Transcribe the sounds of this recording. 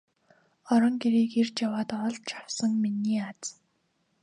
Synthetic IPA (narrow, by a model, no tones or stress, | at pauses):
ɔɾɞ̆ŋɡeɾiːkert͡ɕjawaːt̪ɔɮt̪t͡ɕʰḁwsə̆ŋminiːat͡s